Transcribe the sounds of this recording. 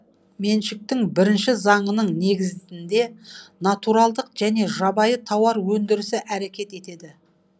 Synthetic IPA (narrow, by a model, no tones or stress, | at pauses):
me̞nʃɪk̚t̪ɪŋbɪɾɪnʃɪzɑɴənəɴne̞ɡʲɪzɪnd̪e̞nat̪uɾɑlˠd̪əqʒ̥æne̞ʒɑbɑjət̪ʰɑwɑɾwɵnd̪ɪɾɪsɪʔæɾe̞kʲe̞t̪e̞t̪e̞d̪ɪ